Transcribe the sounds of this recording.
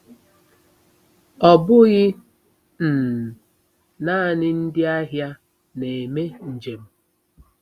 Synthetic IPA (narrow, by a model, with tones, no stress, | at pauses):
ɔ˨bʊ˦ɣɪ˦ | n̩˨ | na˦˨nɪ˦n̩˦dɪ˦a˦ɦja˦ | ne˨me˦n̩˨d͡ʒe˨m̩˦